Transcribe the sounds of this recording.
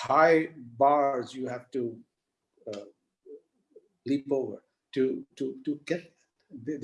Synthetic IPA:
haɪbɑɹzjuhævtu | lipovə̰˞ | tututuɡɛt̪̚ðtðð

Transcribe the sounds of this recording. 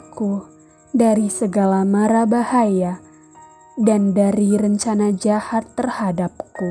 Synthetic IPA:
ku | daɾisəɡalamaɾabahaja | dandaɾiɾəɲt͡ʃanad͡ʒahat̪ːərhadap̚ku

